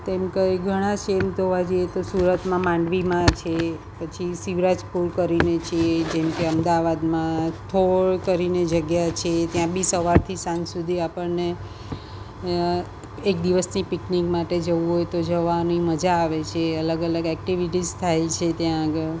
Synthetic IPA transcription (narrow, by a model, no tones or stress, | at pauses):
t̪emkəɡʱəɽ̃aʃemt̪oʋad͡ʒəjet̪osuɾət̪mãmãɳɖʋimãt͡ʃʰe | pət͡ʃʰisiʋɾad͡ʒpuɾkəɾinet͡ʃʰed͡ʒemkeəmd̪aʋad̪mãst̪ʰoɭkəɾined͡ʒəɡjat͡ʃʰet̪jãbisəʋaɾt̪ʰisãnsud̪ʱiapəɭne | ek̚d̪iʋəsnipiknikmaʈed͡ʒəʋũɦojt̪od͡ʒəʋaniməd͡ʒaːʋet͡ʃʰeələɡələɡɛk̚ʈiʋiʈizt̪ʰajt͡ʃʰet̪jãəɡəɭ